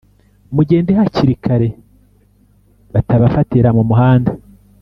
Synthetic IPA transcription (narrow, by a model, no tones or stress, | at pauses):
muɟe̞ːndeɦaciɾikʰaɾe̞ | βataβafatiɾamumuɦaːnda